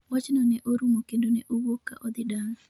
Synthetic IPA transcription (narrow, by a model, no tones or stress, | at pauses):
wat͡ʃnɔnɛʔoɾumokendonɛʔowokːa̰ʔɔd̪ɪdaŋ